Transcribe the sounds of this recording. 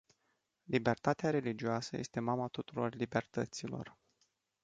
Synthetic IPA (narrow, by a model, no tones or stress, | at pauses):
libe̞rt̪at̪eaɾe̞lid͡ʒioasə̰je̞̰st̪e̞mamat̪ut̪uɾo̞rlibe̞rt̪ət̪silo̞̰r